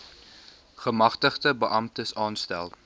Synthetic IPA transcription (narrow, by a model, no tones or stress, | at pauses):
χəmɐχtəχtəbəʔɐmtəsɑːnstæ̰lˠ